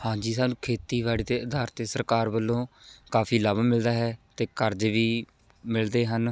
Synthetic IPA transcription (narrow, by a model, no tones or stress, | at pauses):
hãːd͡ʒiːsaːnũːkʰeːt̪iːʋaːɽiːd̪eːəd̪aːɾt̪eːsəɾkaːɾbəlːõːkaːfʰiːləbmɪld̪aːɦɛːt̪eːkəɾd͡ʒʋiː | mɪld̪eːɦən